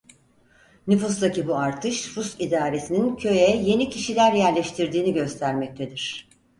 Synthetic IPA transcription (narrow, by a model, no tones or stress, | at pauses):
nyfust̪acibuaɾt̪ʰɯʃɾust̪id̪aːɾe̞sinincʰø̞jɛje̞nicʰiʃilʲæɾjæɾlʲɛʃt̪ʰiɾd̪iːniɟø̞st̪ʰæɾmɛc̚t̪ʰe̞d̪iɾ̥